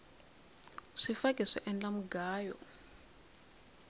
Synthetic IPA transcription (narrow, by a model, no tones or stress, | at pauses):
ʂifakʼiʂɛ̰ʔɛnd͡ɮamuɡaːjɔ̰